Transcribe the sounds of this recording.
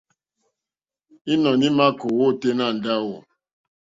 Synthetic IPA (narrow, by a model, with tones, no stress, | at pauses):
i˦nɔ˨ni˦ma˦ko˨wo˦˨te˦na˦˨n̩˨da˦wo˨